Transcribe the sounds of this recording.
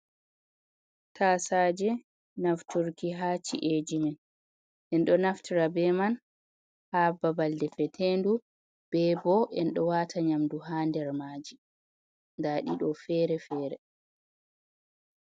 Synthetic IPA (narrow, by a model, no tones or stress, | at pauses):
tʰaːsad͡ʒɛ | naftuɾkiɦaːt͡ʃḭʔed͡ʒimɛn | ʔɛnɗɔnaftiɾabɛman | hababaldɛfɛtʰendu | b̥ɛbɔʔɛnɗɔwatʰaɲamduɦaːndɛɾmaːd͡ʒi | ndaːɗiɗɔfɛɾɛfɛːɾɛ